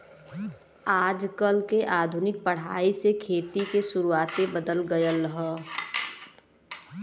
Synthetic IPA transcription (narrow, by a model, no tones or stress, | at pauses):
aːd͡ʒkəlkeʔaːd̪ʱʊnɪk̚pəɽ̤aːisekʰeːt̪ikesʊɾuaːt̪ebəd̪əlɡəjələɦɔ